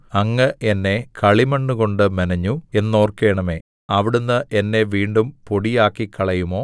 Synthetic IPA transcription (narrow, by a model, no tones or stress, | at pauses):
ɐŋːɐʔenːe̞kɐɭimɐɳːuko̞ɳɖɨmɐnɐɲːue̞nːo̞ːrkeːɳɐme̞ː | ɐʋiɽunːɨʔenːe̞ʋiːɳɖumpo̞ɽijaːkːikːɐɭɐjumo̞ː